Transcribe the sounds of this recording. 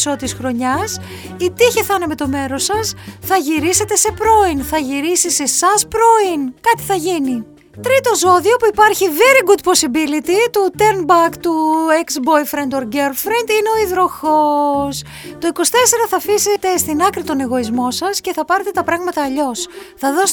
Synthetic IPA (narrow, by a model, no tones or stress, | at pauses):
so̞t̪isxɾo̞ɲɐs | it̪içiθɐneme̞t̪o̞me̞ɾo̞sɐsθɐʝiɾiset̪e̞se̞pɾo̞inθɐʝiɾisise̞sɐspɾo̞inkɐt̪i̥θɐʝini | t̪ɾit̪o̞zo̞ðio̞puipɐɾçiveɾiɡud̪po̞sibilit̪it̪ut̪eɾnbɐkt̪ueksbo̞jfɾend̪oɾɡeɾfɾend̪ine̞o̞iðɾo̞xos | t̪o̞iko̞st̪e̞se̞ɾɐθɐfise̞t̪e̞st̪inɐkɾit̪o̞ne̞ɣo̞izmo̞sɐsce̞θɐpɐɾe̞t̪e̞t̪ɐpɾɐɣmɐt̪ɐːʎo̞sθɐðo̞s